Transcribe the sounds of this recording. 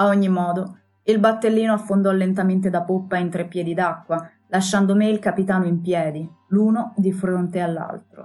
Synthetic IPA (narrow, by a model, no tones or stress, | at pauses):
aoɲːimɔːd̪o | ilbat̪ːelːiːnoafːond̪ɔlːent̪ament̪̬ed̪apopːaint̪ɾepːjɛːd̪id̪akːwa | laʃːand̪omeilkapit̪aːnoimpjɛːd̪iluːnod̪ifɾont̪ealːa̰lt̪ɾo̰